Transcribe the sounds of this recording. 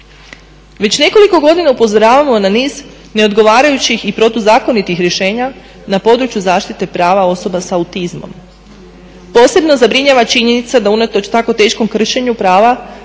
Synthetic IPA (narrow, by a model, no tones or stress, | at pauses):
ʋe̞t͡ɕne̞ko̞liko̞ɡo̞d̪inaupo̞zo̞ɾaːʋamoenaniːz | ne̞o̞d̪ɡo̞ʋaːɾajut͡ɕixipɾo̞t̪uzaːko̞nit̪ixɾʲje̞ʃe̞ːɲa | napo̞d̪ɾut͡ɕjuzaːʃt̪it̪e̞pɾaːʋao̞so̞basaut̪izmo̞̰m | po̞ːse̞bno̞zabɾiɲaʋat͡ʃiɲe̞nit̪sad̪aunat̪o̞t͡ɕt̪ako̞t̪e̞ːʃko̞mkr̩ʃeɲupɾaːʋa